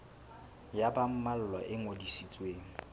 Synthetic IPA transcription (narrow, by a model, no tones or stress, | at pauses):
jabam̩mal̩lwɔʔɪŋodisit͡sʼweːŋ̩